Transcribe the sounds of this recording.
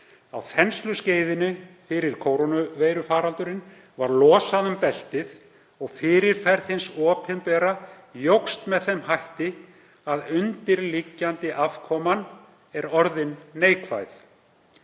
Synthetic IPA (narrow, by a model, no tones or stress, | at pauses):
a̰wθɛnst̪lʏsceːjðɪnʏfɪɾɪɾ̥kʰowɾonʏvejɾʏfaːɾalt̪ʏɾɪn | vaɾlɔːsaðʏmpɛl̥t̪ɪð | ɔɣfɪːɾɪɾ̥fɛɾðhɪnsɔːphɪmpɛːɾa | jowkst̪mɛðθejmhajht̪ɪ | aðʏnt̪ɪɾlicːant̪ɪʔav̥kʰɔːman | ɛɾɔɾðɪnːeːjkʰva̰jθ